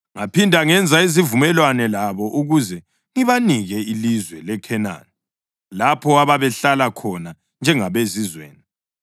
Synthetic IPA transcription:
ŋapʰindʱaŋɛnd͡zʱaizivumɛlwanɛlaβɔʔuɣuzɛ | ŋiβaniɣɛilizwɛlɛkʰɛna̰ːni | lapʰɔaβaβɛɬalakʰɔna | nd͡ʒʱɛŋaβezizwḛːni

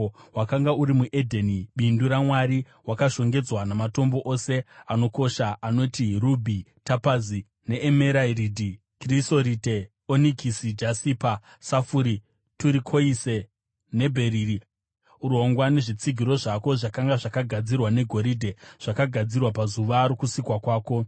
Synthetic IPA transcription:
wakaŋɡauɾimuʔe̞dʱeniɓinduɾamwaɾi | wakaʃo̞ŋɡe̞d͡zwanamato̞mbo̞ʔose̞ano̞ko̞ʃaano̞tirubʱitapazi | ne̞ʔːmeɾairidʱi | kriso̞ɾite | onikʰisid͡ʒasipa | safuɾi | tuɾikʰo̞ise | ne̞bʱe̞ɾiri | uɾoŋɡwane̞ʐit͡siɡʱiɾo̞ʐako̞ʐakaŋɡaʐakaɡʱad͡zirwane̞ɡʱo̞ɾiːdʱe̞ʐ̥akaɡʱad͡zirwapazuʋaːɾokusikwakwaːko̞

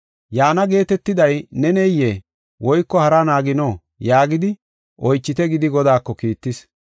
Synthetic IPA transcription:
jaːnɐɡe̞ːt̪ɛt̪ːɪd̪ɐjnɛnɛjːeː | wɔjkːɔhɐɾɐnaːɡɪnoː | jaːɡɪd̪ɪ | ʔɔjt͡ʃːɪt̪ɛɡɪd̪ɪɡɔd̪aːkːɔkiːt̪ːɪs

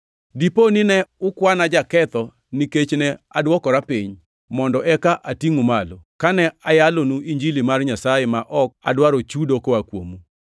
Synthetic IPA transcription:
diponɪnɛʊkwanad͡ʒakɛt̪ɔ | niket͡ʃnɛadwɔkɔɾapiɲ | mɔndɔɛkaʔatiŋomalokanɛajalonuiɲd͡ʒilimarɲasajemaʔɔk̚a̰dwaɾot͡ʃudokoakwo̰mu

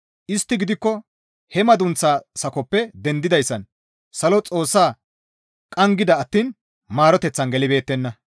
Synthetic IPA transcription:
ʔɪst̪ːɪɡɪd̪ɪkːɔ | hɛmɐd̪ʊnt͡sːaːsɐkɔpːɛd̪ɛnd̪ɪd̪ɐjsːɐn | sɐlɔt͡sʼo̞ːsːaː | kʼɐŋɡɪd̪ɐɐt̪ːiːn | maːɾɔt̪ɛt͡sːɐnɡɛlɪbe̞ːt̪ːɛnːɐ

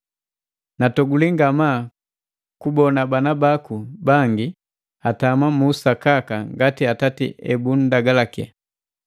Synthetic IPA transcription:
natɔɡuliŋɡama | kubɔnabanabakubaŋɡi | atamamusakakaŋɡatiatatiɛbun̩daɡalakḭa̰

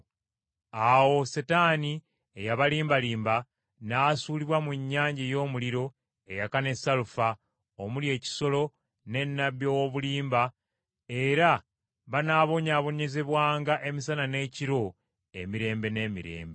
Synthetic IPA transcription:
awo̞setaːni | ejaβaliːmbaliːmba | nasuːliβwamuɲːaːɲɟejo̞ːmuliɾo̞ | e̞jakane̞salufa | omulje̞ːci̥so̞lo̞ | ne̞nːaβjowoβuliːmba | e̞ɾa | βanaβo̞ɲaːβo̞ɲe̞ze̞βwaːŋɡaʔe̞misanane̞ciɾo̞ | e̞miɾe̞ːmbe̞ne̞ːmiɾe̞̰ːmbe

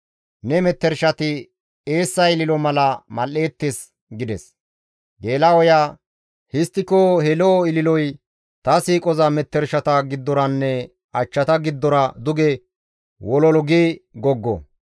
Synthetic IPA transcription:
nɛmɛt̪ːɛɾʃɐt̪ɪ | e̞ːsːɐjɪlɪlɔmɐlɐmɐle̞ːt̪ːes | ɡɪd̪ɛs | ɡe̞ːlɐwɔjaː | hɪst̪ːɪkoːhɛloːɪlɪlɔj | t̪ɐsiːkʼɔzɐmɛt̪ːɛɾʃɐt̪ɐɡɪd̪ːɔɾɐnːɛ | ɐt͡ʃːɐt̪ɐɡɪd̪ːɔɾɐd̪ʊɡɛ | wɔlɔlɔɡiɡɔɡːɔ̰

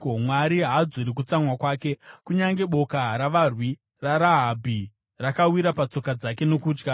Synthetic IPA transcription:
mwaɾiɦad͡zuɾik̬ut͡samwakwaːke̞kuɲaŋɡe̞ɓo̞kaɾaʋarwi | raɾaɦabʱi | rakawiɾapat͡so̞kad͡zake̞nokuːd͡ʒɡa

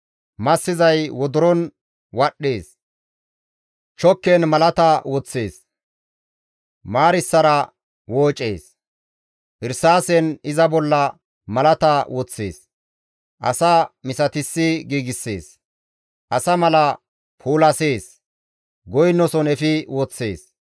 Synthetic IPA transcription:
mɐsːɪzɐjwɔd̪ʊɾɔn | wɐɗːeːs | t͡ʃɔkːenmɐlɐt̪ɐwɔt͡sːe̞̰ːs | maːɾɪsːɐɾɐ | woːt͡ʃʼːe̞̰ːs | ʔɪɾsaːsɛnɪzɐbɔlːɐ | mɐlɐt̪ɐwɔt͡sːḛːs | ʔɐ̰samɪsɐt̪ɪsːɪɡiːɡɪsːe̞ːs | ʔɐsɐmɐlɐ | pʰuːlɐse̞ːs | ɡɔjnːɔsɔnɛfɪwɔt͡sːe̞̰ːs

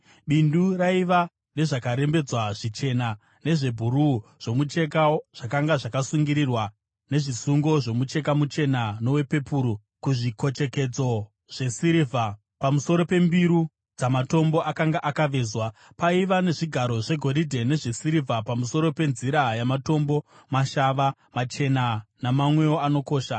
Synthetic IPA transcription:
ɓinduraiʋa | ne̞ʐakaɾe̞mbe̞d͡zwaʐit͡ʃe̞na | ne̞ʐe̞bʱuɾuʐ̥o̞mut͡ʃe̞kaʐ̥akaŋɡaʐakasuŋɡiɾirwa | ne̞ʐisuŋɡo̞ʐo̞mut͡ʃe̞kamut͡ʃe̞nano̞we̞pe̞puɾu | kuʐiko̞t͡ʃe̞ke̞d͡zo̞ | ʐ̥e̞siɾivʱa | pamuso̞ɾo̞pe̞mbiɾu | d͡zamato̞mbo̞ʔakaŋɡaʔakaʋe̞ːzwa | paiʋane̞ʐiɡʱaɾo̞ʐe̞ɡʱo̞ɾidʱe̞ne̞ʐe̞siɾivʱapamuso̞ɾo̞pe̞nziɾajamato̞mbo̞ | maʃaʋa | mat͡ʃe̞nanamamwe̞oano̞ko̞ːʃa

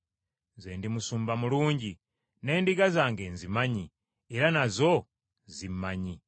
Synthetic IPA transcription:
zeːndimusuːmbamuluːɲɟi | ne̞ːndiɡazaːŋɡe̞nzimaɲi | eɾanazo̞ | zimaɲi

